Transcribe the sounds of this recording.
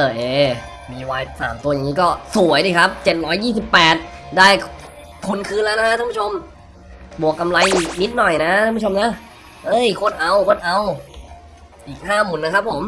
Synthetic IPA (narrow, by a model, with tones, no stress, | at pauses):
ʔɤː˧˩ʔeː˨˧˩ | miː˧waː˧jsa̰ː˩˦mt̪u˧ja˨˩ŋːiː˦˥kɔː˥˩su˨˩˦əjdiː˧˩kʰa˦˥p̚t͡ɕe˨˩t̪̚ɾɔː˦˥jːiː˥˩si˨˩pːɛː˨˩t̪̚daː˥˩j | t̪ʰu˧˩nkʰɯː˧nlɛ˦˥na˦˥kʰa˦˥aː˧˥˦pʰu˥t͡ɕʰo˧m | bu˨˩əkːa˧mla˧jni˦˥t̪̚nɔ˨˩jna˦˥ʔʰa˧˥˧pʰːu˥t͡ɕʰmna˦˥ | ʔɤː˧˥˩jkʰo˧˥˩nʔa˧wkʰo˧˥˩nʔa˧w | ʔiː˨˩k̚haː˥˩muː˨˩˦nːa˦˥kʰa˦˥pʰːo˩˦m